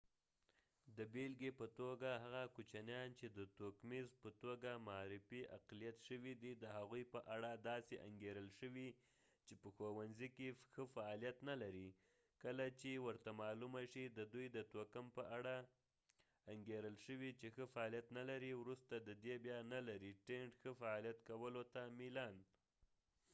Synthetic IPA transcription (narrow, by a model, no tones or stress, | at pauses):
d̪əbelɡepət̪oɡaɦaɣakut͡ʃanjɑnt͡ʃed̪ət̪okmezpət̪oɡamaɑɾɪfiʔa̰qlijat̪ʃəwid̪id̪əɦaɣujpəʔaɽad̪ɑseʔa̰ŋɡeɾəlʃəwi | t͡ʃepəxowanzikexəfaːlijat̪nalaɾi | kəlat͡ʃewəɾt̪amɑlumaʃid̪əd̪ujd̪ət̪okəmpəʔaɽa | aŋɡeɾəlʃəwit͡ʃexəfaɑlijat̪nalaɾiwɾust̪ad̪əd̪ebjɑnalaɾiʈeɳʈxəfaɑlijat̪kawəlot̪amilɑn